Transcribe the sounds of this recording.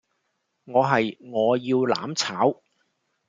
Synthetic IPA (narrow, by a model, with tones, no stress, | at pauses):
ŋɔː˨˧ɦɐ˨jŋɔː˨˧jiː˧wla̰ː˨˥mt͡sʰaː˨˥w